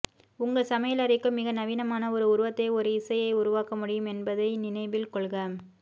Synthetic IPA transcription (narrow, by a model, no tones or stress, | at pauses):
ʊŋɡɐsɐmɐjɐlɐɾɪkːɯmɪɣɐnɐʋiːnɐmaːnɐɔɾɯʊɾɯʋɐt̪ːɐɪɔɾɯɪsɐjɐɪʊɾʊʋaːkɐmʊɽɪjɯmɛnbɐðɐɪnɪnɐɪʋɪlkɔɭɣɐm